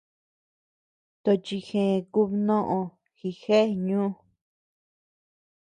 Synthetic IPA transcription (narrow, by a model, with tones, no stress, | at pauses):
t̪o˧t͡ʃi˧xẽ˨˧ku˦βnõ˦ʔõ˧ | xi˧˨xe˦˨ɲũː˦